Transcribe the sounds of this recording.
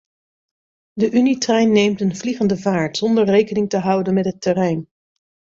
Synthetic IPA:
dəʔynitrɛjnːejmtənvliχəndəvaːɹtz̥ɔndəɹrejkənɪŋtəɦʌwdənmɛtɦətːərɛjn

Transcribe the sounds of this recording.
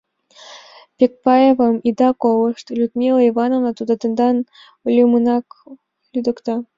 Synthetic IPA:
pʲek̚pɑjevɤ̆mid̪ɑkowɤ̆ʂt̪lʲut̪mʲilˠɤivɑnovnɑt̪ud̪ɑt̪ɤ̆nd̪ɑn | lʲumɯnɑk | lʲyd̪ɤ̆kt̪ɑ

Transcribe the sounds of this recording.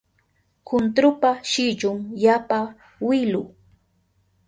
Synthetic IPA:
kʊnt̪ɾʊpaʃɪt͡ʃʊŋjapa | wɪlʊ

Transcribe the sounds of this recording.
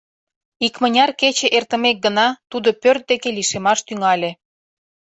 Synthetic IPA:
ikmənʲɑrket͡ɕĕʔert̪ə̆mek̚ɡənɑt̪ud̪opørt̪̚d̪ekeliʃemɑʃt̪yŋɑlʲe

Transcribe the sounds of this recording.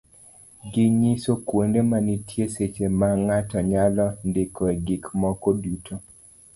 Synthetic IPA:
ɡɪɲisokwondemanitʰjeset͡ʃemaŋatɔɲalɔndekʰɔɛɡɪkmɔkodutʰo

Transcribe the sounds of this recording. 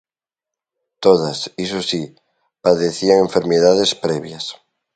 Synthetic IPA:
t̪oð̞asisosi | paðeθiaŋeɱfeɾmeðað̞espɾeβjas

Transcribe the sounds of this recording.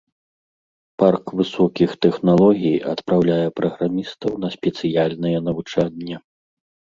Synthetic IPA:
parkvɨsɔkʲixt̪ɛxnalˠɔɣʲijɐ̰t̪pɾawlʲajɛpɾɐɣɾamʲist̪ɐwnɐsʲpʲɛt̪sɨjalʲnɨjɛnɐvut͡ʂadʲːɐ

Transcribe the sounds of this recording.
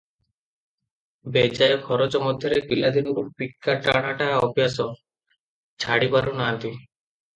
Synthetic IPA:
bed͡ʑaekʰɔɾot͡ɕɔmɔd̪ʱjɔɾekilad̪inkupikʰːaʈaɽ̃aʈaɔbjasɔ | t͡ɕʰaɽipaɾunaːnt̪i

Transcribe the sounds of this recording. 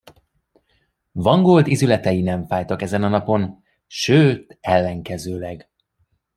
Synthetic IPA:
vɒŋɡoːld̪izylɛt̪ɛjinɛɱfaːjt̪ɒkɛzɛnɒnɒpo̞n | ʃøːt̪ɛlːɛŋkɛzøːlɛɡ

